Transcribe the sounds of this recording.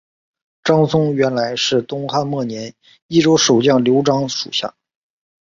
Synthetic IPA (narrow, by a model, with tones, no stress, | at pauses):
ʈ͡ʂɑ˥ŋsʊ˥ŋɥɛ˧˥nla˧˥ɪʂɻ̩˥˩t̪ʊ˥ŋxa˥˧nmwɔ˥˩njɛ˧˥n | i˥˩ʈ͡ʂo˥ʊʂo˨˩ʊt͡ɕjɑ˥˩ŋljo˧˥ʊʈ͡ʂɑ˥ŋʂṵ˨˩ɕja̰˥˩